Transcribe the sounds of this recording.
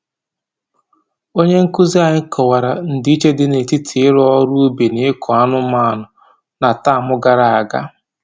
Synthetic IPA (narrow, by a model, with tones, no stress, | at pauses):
o˦ɲe˦ŋ̩˦ku˦zi˦a˨ɲɪ˦kɔ˨wa˨ɾa˨n̩˦di˦t͡ʃe˦dɪ˦ne˨ti˦tʰɪ˨ɪ˦ɾɔ˦ɾu˦be˨nɪ˨˦kʰɔ˨a˦nʊ˦ma˦a˨nʊ˨ | na˨ta˦˨mʊ˦ɡa˨ɾa˨a˨ɡa̰˦